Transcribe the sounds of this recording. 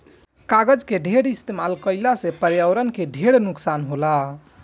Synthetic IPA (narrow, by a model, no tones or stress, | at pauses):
kaɡəd͡ʒkeɖʱeɽist̪emalkəjlasepəɾjəwɾənkeɖʱeɽnuksanɦola